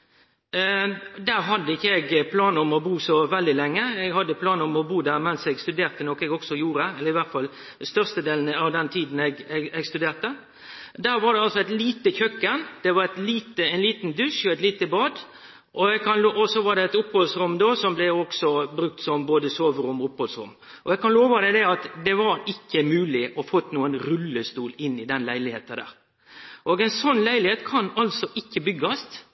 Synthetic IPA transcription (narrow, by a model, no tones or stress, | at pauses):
d̪æːɾɦɑd̪ːəɪçːəɛɡpʰlɑːnəɔmɔbuːsɔʋɛld̪ɪlɛŋːəɛɡhɑd̪ːəpʰlɑːnəɔmɔbuːd̪æːɾmɛnsɛɡst̪ʉd̪eːɾt̪ənɔkːɛɡɔksɔjuːɾəɛlːəɾɪʋæʁt̪fɑl | st̪œʁst̪əd̪eːln̩ɑʋd̪ɛnt̪ʰiːd̪n̩ɛɡɛɡɛɡst̪ʉd̪eːʁt̪ə | d̪æːɾʋɑɾɖ̪ɛɑlsɔæɪt̪liːt̪əçœkːənd̪̥ɛʋɑɾɛt̪liːt̪əæɪnliːt̪nd̪ʉʂɔɛt̪liːt̪əbɑːd̪ | ʔɔɛɡkʰɑnloːʔɔsɔʋɑɾɖ̪ɛɛt̪ʊphɔlsɾʉmd̪oːsɔmblɛɔksɔbɾʉk̚t̪sɔmboːd̪əsoːʋɾʊmɔʊphɔlsɾʉ̰mː | ʔɔɛɡ̚kʰɑnloːʋɑd̪ɛd̪ɛɑt̪d̪ɛʋɑɾɪkːəmʉːlɪʔɔfɔt̪ːnuːənɾʉlːəst̪uːlɪnːɪd̪ɛnlæɪlɪhḛːt̪ɑd̪æ̰ːɾ | ʔoːɡɛɪnsɔnːlæɪlɪheːt̪kʰɑnɑlsɔʔɪkːəbʏɡːɑst̪